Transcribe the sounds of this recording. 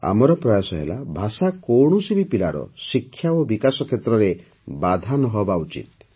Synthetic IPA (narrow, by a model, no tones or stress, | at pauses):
a̰mɔɾɔpɾɔjasɔɦḛla̰bʱasakowɳ̃usibipilaɾɔ̰sikʰːjaobikasɔkʰjet̪ɾɔɾe | bad̪ʱanɔɦɔbaut͡ʃḭt̪̚